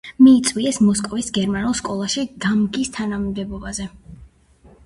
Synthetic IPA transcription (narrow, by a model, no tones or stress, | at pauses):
miːt̪sʼwiɛsmɔskʼɔvisɡɛɾmanulˠskʼɔlˠaʃiɡ̪̥amɡist̪ʰanammd̪ɛbɔbazɛ